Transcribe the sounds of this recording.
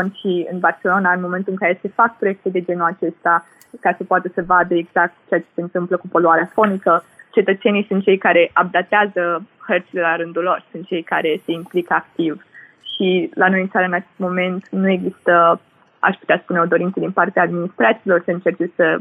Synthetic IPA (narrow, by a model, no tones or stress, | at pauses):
ənʃiɨ̰nbart͡ʃe̞lo̞naɨnmo̞me̞nt̪ulɨŋkaɾese̞fak̚pɾoe̞k̚t̪ed̪e̞d͡ʒe̞nuat͡ʃe̞st̪a | kasəpoat̪əsəvad̪əeɡz̥ak̚t̪t͡ʃeat͡ʃese̞ɨnt̪ɨmpləkupo̞luaɾeafo̞nikət͡ʃe̞t̪ət̪se̞nijsunt̪̚t͡ʃejkaɾe̞ʔab̚d̪at̪eazəhərt̪sile̞laɾɨnd̪ulːo̞rsunt̪̚t͡ʃe̞jka̰ɾe̞se̞implikəakt̪iv | ʃilano̞jɨnt̪saɾəɨnat͡ʃe̥st̪mo̞me̞nt̪nue̞ɡzist̪ə | a̰ʃpu̥t̪easpune̞od̪o̞ɾintsəd̪inpart̪eaːd̪minist̪ɾat̪silo̞rsəɨnt͡ʃe̞rt͡ʃe̞sə